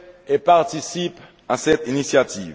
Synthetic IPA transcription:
epaʁt̪isip | ɑ̃sɛt̪inisjat̪iv

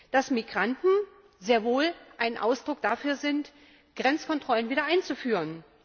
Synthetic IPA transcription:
d̥asmiɡʁantn̩ | zeːɐvoːlʔaɪnʔa̰ʊsd̥ʁʊk̚d̥afyːɐzɪnt | ɡ̥ʁɛnt͡skɔntʁ̥ɔlənviːɾɐʔaɪnt͡sufyːʁən

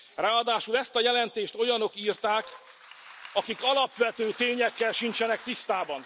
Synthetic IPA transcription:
raːɒd̪aːʃulɛst̪ɒjɛlɛnt̪eːʃt̪o̞jɒno̞kiːrt̪aːk | ɒkikɒlɒpʋɛt̪øːt̪eːɲɛkːɛlʃint͡ʃɛnɛk̚t̪ist̪aːbɒn

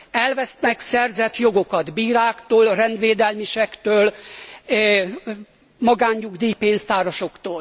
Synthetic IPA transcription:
ɛlvɛsnɛksɛrzɛt̪jo̞ɡo̞kɒd̪biːɾaːkt̪oːlrɛnd̪ʋeːd̪ɛlmiʃɛkt̪øːl | mɒɡaːɲːuɡd̪iːpeːnst̪aːɾoʃo̞kt̪oːl

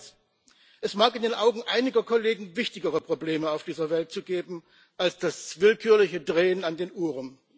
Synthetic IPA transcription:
s | ʔɛsmaːkɪndeːnʔaʊɡŋ̩ʔaɪnɪɡɐkʰoleːɡŋ̩vɪçtɪɡəʁəpʁ̥obleːməaʊfd̥iːzɐvɛlt̚t͡suːɡeːbm̩ | ʔalsd̥asv̥ɪlkʰyːɐlɪçədʁeːənandeːnʔuːʁən

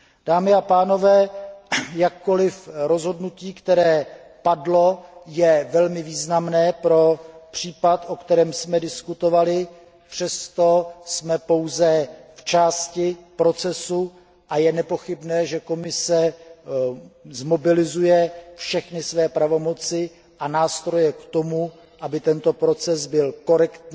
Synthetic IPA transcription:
d̥aːmɪapaːno̞vɛː | jakːo̞lɪfɾo̞zɦo̞dnuciːkt̪ɛɾɛː | padlo̞jɛvɛlmɪviːznamnɛːpɾo̞pr̝̥iːpat̪ʔo̞kt̪ɛɾɛːmsmɛdɪskut̪o̞valɪ | pr̥ɛst̪o̞smɛpo̞wzɛft͡ʃaːscɪpɾo̞t͡sɛsu | ʔajɛnɛpo̞xɪbnɛːʒɛko̞mɪsɛ | zmobɪlɪzujɛfʃɛxnɪsvɛːpɾavo̞mo̞t͡sɪ | ʔanaːst̪ɾo̞jɛkt̪o̞mu | ʔabɪt̪ɛnt̪o̞pɾo̞t͡sɛsbɪlko̞ɾɛkt̪ɲ

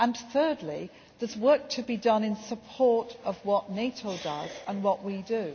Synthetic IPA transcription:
ə̃nθɜ˞dˡli | ðəzwɜˑk̚tʰəbidʌ̃nɪ̃nsəpʰɔɹtəvwɒʔneɪtʰəʊdʌ̰z̥ə̃nwɒʔwidɨ

